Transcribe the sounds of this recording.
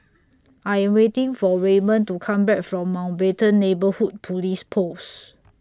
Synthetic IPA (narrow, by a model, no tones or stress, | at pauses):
ʔajɛ̃mwetĩŋfɔɹemə̃ntukʰãmbɛk̚fɹɔ̃mːãwnbetə̃nːebəhud̚pʰulispʰos